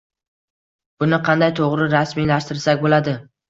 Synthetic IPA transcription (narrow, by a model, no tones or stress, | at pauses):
b̥ʊnɪqʰɑnd̪ajt̪ʰoʁɾɪɾasmilaʃt̪ɪɾsakʲbolad̪ɪ